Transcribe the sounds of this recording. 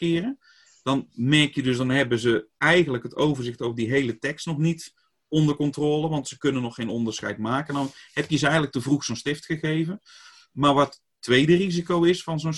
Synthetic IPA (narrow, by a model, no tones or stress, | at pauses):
kɪːrə | d̥ɑnmɛrkjədøsdɑnɦɛbəzəɛjɣənləkɦətowvərzɪxtowvədiɦejlətɛkstnɔxnit | ɔndərkɔntroːləʋɑntsəkɵnənɔxːejnɔndərsxɛ̰jtmaːkəndɔnhɛpjəsɛjɣədlək̚təvruxsonstɪftxəɣejvən | maːɹʋɔt | tːʋejdərizikowɪsfɑnzon